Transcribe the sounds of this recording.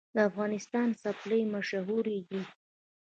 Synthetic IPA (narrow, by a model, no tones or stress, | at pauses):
d̪əafɣɑnɪst̪ɑnsapləjmaʃaɦuɾed̪i